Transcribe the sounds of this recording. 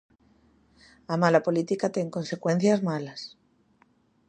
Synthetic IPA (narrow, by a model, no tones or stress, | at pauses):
amalapo̞lit̪ikat̪e̞ŋko̞nse̞kwe̞n̟θjazmalas